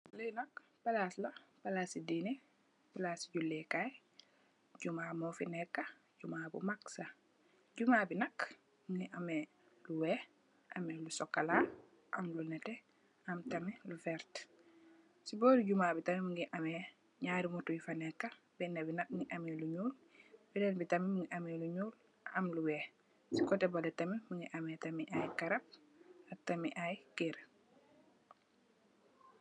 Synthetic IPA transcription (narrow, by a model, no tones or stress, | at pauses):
ləjnɐk̚ | palaslapalasidinɛ | palasiɟulːɛkaj | ɟumaːmɔfinɛkːa | ɟumaːbṵmaksa | ɟumabinɐk | muŋɡiʔamɛ | luwɛ | ʔamɛlusɔkːala | ʔamlunɛtɛ | amtɐmilufɛɾt | sibɔːɾiɟumabitamimiŋɡiʔamɛ | ɲaɾimutujifanɛkːa | bɛnːɛbinat̚ŋiʔamɛluɲuːl | bidɛnbitamimiŋɡiʔamɛluɲuːl | amluwɛː | sikɔtɛbalɛtamimiŋɡiʔamɛtamiʔajkaɾap̚ | ak̚tamiʔajkeɾ